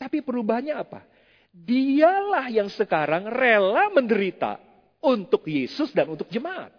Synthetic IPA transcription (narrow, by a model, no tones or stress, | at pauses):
t̪apipəɾubaɦanɲaːpa̰ | dialahjaŋsəkaɾaŋrelaməndəɾit̪a̰ | unt̪ʊkjesʊsdanunt̪ʊk̚d͡ʒəmaʔa̰t̪̚